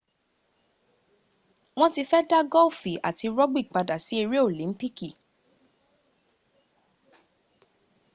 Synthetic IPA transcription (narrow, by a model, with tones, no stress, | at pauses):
w̃ɔ̃˦ti˧fɛ˦da˦ɡɔ˦˨fi˨a̰˨ti˧ɾɔ˦ɡ͡bi˦i˨k͡pa˧da˨si˨˦e˧ɾi˦o˦˨lĩ˨˦m̩˦pi˦ki˦˨